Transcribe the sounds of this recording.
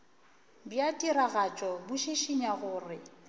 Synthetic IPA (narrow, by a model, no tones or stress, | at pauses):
bjatʼiɾaɣat͡ʃʼɔbʊʃiʃiɲaɣʊːrɪ